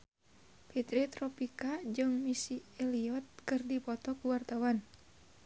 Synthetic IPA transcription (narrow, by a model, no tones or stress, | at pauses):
pit̪ɾit̪ɾɔpikad͡ʒɨŋmisiɛliɔt̪̚kɨrdipɔt̪ɔkuwart̪awan